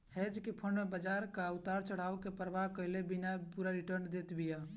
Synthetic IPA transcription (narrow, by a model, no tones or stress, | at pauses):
hed͡ʒkipʰənmebəd͡ʒaɾkaut̪aɾt͡ʃəɽ̤aʋkepəɾbaɦkəɪlebinapuɾaɾiʈəɾnd̪et̪bija